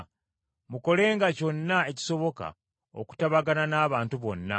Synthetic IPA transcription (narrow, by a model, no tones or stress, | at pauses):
muko̞le̞ːŋɡaco̞nːae̞ci̥so̞βo̞ka̰ | o̰ku̥taβaɡananaːβaːntuβo̞̰nːa̰